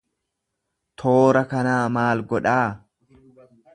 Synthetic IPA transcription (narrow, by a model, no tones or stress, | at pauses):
t̪ʰo̞ːɾɐkɐnaːmaːlɡɔᶑaː